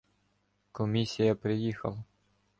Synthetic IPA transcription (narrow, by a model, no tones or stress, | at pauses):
kɔmʲisʲijɐpɾɪjixɐ̰lˠɐ